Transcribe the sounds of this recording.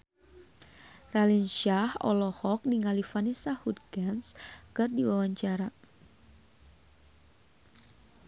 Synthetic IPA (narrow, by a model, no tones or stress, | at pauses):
ralinʃahɔ̰lɔhɔk̚niŋalifanisahut̪̚ɡanskɨrdiwawaɲt͡ʃaɾa